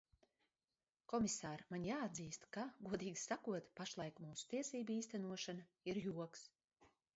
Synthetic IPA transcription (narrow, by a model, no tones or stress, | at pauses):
kɔmisaːɾmanʲjaːad̪ziːst̪kaɡuɔd̪iːɡʲi̥sakuɔt̪paʃlˠɑjkmuːsu̥t̪iɛsiːbiːst̪ænuɔʃana | iɾjuɔks